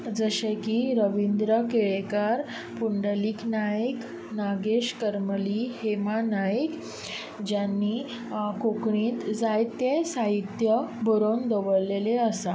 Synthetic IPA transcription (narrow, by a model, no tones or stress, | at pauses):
d͡zəɕekiɾəʋind̪ɾəkeɭekaɾ | puɳɖəliːknajk | naɡeɕkəɾməlihemanajik | d͡ʑjanːi | kokɳĩːt̪d͡zajt̪jesaɦit̪jəbʱəɾond̪əʋəɭlːeleəsa